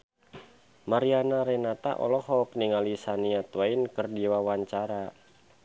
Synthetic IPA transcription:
maɾianaɾɛnat̪a̰ʔɔ̰lɔhɔpniŋalisaniat̪wainkərdiwawaɲt͡ʃaɾa

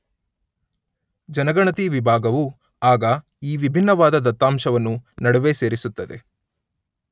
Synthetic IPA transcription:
d͡ʒɐnɐɡɐɳɐt̪iʋibʱaːɡɐʋu | aːɡɐ | iːʋibʱinːɐʋaːd̪ɐd̪ɐt̪ːaːmʃɐʋɐnːunɐɽuʋe̞se̞ːɾisut̪ːɐd̪e̞

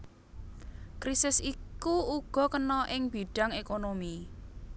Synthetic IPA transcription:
kɾisɪsikuuɡ̥ɔ̤kənɔʔɪŋb̥i̤ɖ̥a̤ŋekonomi

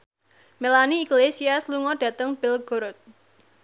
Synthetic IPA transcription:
melaniːɡlesiasluŋɔɖ̥ä̤t̪əŋb̥ɪlɡ̥oɾɔt̪̚

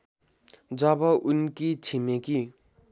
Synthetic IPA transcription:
d͡zʌbʌʔunkit͡sʰimeki

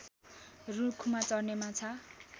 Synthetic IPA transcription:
rukʰumat͡sʌrnemat͡sʰʌ

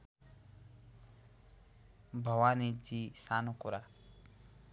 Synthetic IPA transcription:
bʱʌwanid͡ʒisanukuɾa

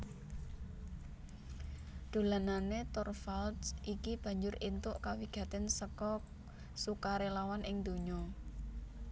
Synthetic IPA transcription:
ɖ̪̥o̤lananet̪ɔrfalt̪sʔikib̥ä̤ɲd͡ʒʊrint̪ʊʔkawiɡ̥ä̤t̪ɪnsəkɔ | sukaɾelawanʔɪŋd̪̥o̤ɲɔ

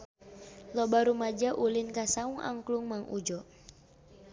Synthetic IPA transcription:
lɔbaɾumad͡ʒaʔulinkasauŋʔa̰ŋkluŋmaŋʔud͡ʒɔ

